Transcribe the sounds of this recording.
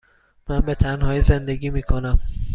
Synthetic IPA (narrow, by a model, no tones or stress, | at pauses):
mænbe̞t̪ʰænɦɒːjiːze̞nd̪e̞ɡiːmiːkʰo̞næm